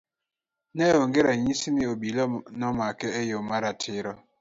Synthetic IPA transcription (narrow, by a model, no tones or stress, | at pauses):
nɛoŋɡeɾaɲisimiobilɔnɔmakɛɛjomaɾatʰɪɾɔ